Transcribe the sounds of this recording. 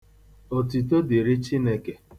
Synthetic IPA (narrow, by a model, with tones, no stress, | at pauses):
o˨ti˨to˦di˨ɾi˦t͡ʃi˦ne˦ke˦